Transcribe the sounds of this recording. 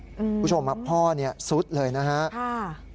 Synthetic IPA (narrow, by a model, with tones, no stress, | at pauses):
kːʰu˦˥˩t͡ɕʰo˧mha˨˧˩ppʰːɔː˥˩ni˥˩ɐsu˦˥t̪̚lɤː˧jna˦˥ɦa˦˥ʔa˥˩